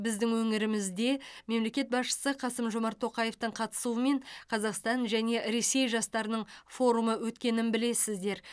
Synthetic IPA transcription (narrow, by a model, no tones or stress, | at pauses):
bɪzd̪ɪŋwɵŋɪɾɪmɪzd̪e̞me̞mle̞kʲe̞t̪̚bɑsʃə̥səqʰɑsəmʒo̞mɑɾt̪ʰːo̞qɑje̞ft̪əɴqʰɑt̪ə̥suəme̞ɴqʰɑzɑqst̪ɑnʒæne̞ɾe̞se̞jʒɑst̪ɑɾənəɴfo̞ɾuməwɵt̪kʲe̞nɪnbɪle̞sɪzd̪e̞ɾ